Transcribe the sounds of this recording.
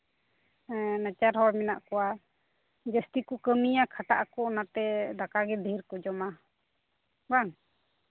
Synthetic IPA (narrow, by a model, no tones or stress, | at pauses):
nat͡ʃaɾɦɔwmɛnaʔkɔwa | d͡ʒəst̪ikɔkəmijakʰaʈaʔakɔnat̪ɛd̪akaɡɛd̪ʱəjɾkɔd͡ʒɔma | baŋ